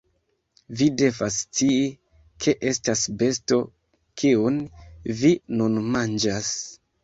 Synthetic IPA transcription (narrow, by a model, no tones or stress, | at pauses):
vide̞vastii | kʰe̞ʔestasbe̞sto | kʰiunvinunmand͡ʒas